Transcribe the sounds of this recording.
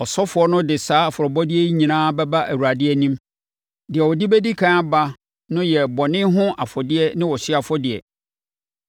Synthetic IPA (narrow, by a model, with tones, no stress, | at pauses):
ɔ˨sɔ˦fʊ˨˦ɔ˦nʊ̃˦dɪ˨saː˨˦˨fʊ˨ɾɔ˨bɔ˦dɪ˦ɛ˦i˦ɲĩ˨nãː˦bɛ˦ba˦ʔæ˨wu˨a˨dɪ˦ɛ˦nĩ˦m | dɪ˨ɛ˨wɔ˨dɪ˦bɛ˦di˦kʰãː˦ba˦ | nʊ̃˦jɛ˨bɔ˨nɪ̃˦ɦʊ̃˦ʔa˨fɔ˨dɪ˦ɛ˦nɪ̃˦wɔ˨ɕɪ˦a˨fɔ˦dɪ˨ɛ̰˨